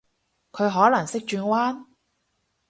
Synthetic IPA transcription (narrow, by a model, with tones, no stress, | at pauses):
kʰɵ˨˧ɥɦɔː˨˥lɐ˨˩ŋsɪ˥k̚t͡ʃyː˧nwaː˥n